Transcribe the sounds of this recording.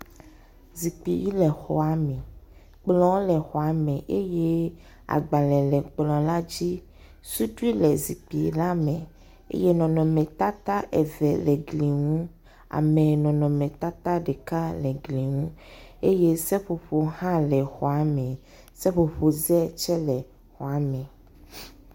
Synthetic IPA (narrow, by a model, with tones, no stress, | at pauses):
zi˨k͡pi˨ji˦lɛ˨xɔ˨a˨mɛ̃˨ | k͡plɔ̃˦wlɛ˨xɔ˨a˨mɛ̃˨ʔe˦je˦ | a̰˨ɡ͡ba˨lɛ˨lɛ˨k͡plɔ̃˨la˦d͡ʑi˦ | su˦ɖi˦lɛ˨zi˨k͡pi˨la˦mɛ̃˨ | ḛ˦je˦nɔ̃˨nɔ̃˨mɛ̃˨t̪a˦t̪a˦ʔe˨vɛ˨lɛ˨ɡli˨ŋũ˦ | a̰˨mɛ̃˨nɔ̃˨nɔ̃˨mɛ̃˨t̪a˦t̪a˦ɖe˨ka˦lɛ˨ɡli˨ŋũ˦e˦je˦sɛ˦ɸo˨ɸo˨hã˦lɛ˨xɔ˨a˨mɛ̃˨ | sɛ˦ɸo˨ɸo˨zɛ˦t͡ʃɛ˦lɛ˨ | xɔ˨a˨˦mɛ̃˨